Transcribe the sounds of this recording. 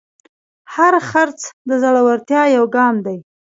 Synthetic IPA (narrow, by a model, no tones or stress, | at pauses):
haɾxaɾt͡sd̪əzaɽawaɾt̪jɑjawɡɑmd̪aj